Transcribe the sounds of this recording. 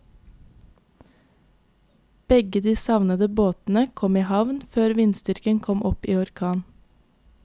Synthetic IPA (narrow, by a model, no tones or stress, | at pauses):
b̥ɛɡəd̪iːsɑʋnəd̪əboːt̪n̩əkʰɔmiːhɑʋnføːɾʋɪnst̪ʏɾkəŋkʰɔmʔɔpiːɔɾkʰɑːn